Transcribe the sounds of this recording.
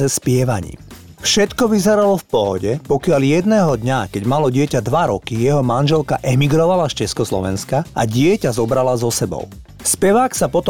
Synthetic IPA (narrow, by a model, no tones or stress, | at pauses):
ɛspɪɛʋa̰ɲḭː | fʃɛt̪kɔʋizɛɾalɔfpɔɦɔɟɛpɔkɪaljɛd̪nɛːɦɔd̪ɲakɛɟmalɔɟɪɛcad̪ʋaɾɔkijɛɦɔmanʒɛlkaʔɛmiɡɾɔʋalast͡ʃɛskɔslɔ̰ʋɛ̰nskaʔa̰ɟɪɛcazɔbɾalazɔsɛbɔ̰ʊ | spɛʋaːksapɔt̪ɔ